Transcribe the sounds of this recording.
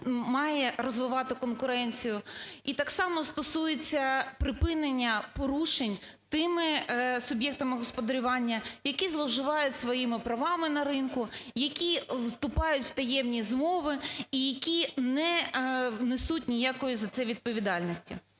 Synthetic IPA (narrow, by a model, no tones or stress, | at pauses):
mɑjɛɾɔzʋɪʋɑt̪ɪkɔnkʊɾɛnʲt͡sʲijʊit̪ɑksɑmɔst̪ɔsujet͡sʲːɐpɾɪpɪnenʲːɐpɔɾuʃenʲt̪ɪmɪsʊbʲjɛk̚t̪ɐmɪɦɔspɔd̪ɐɾʲʊʋɑnʲːɐjɐkʲizlˠɔwʒɪʋɑjʊtʲsʋɔjimɪpɾɐʋɑmɪnɐɾɪnkʊjɐkʲiwst̪ʊpɑjʊtʲw̥t̪ɐjɛmnʲizmɔʋɪijɐkʲinɛ | nɪsutʲnʲijakɔjʊzɐt̪sɛʋʲid̪̚pɔʋʲid̪ɑlʲnʲisʲtʲḭ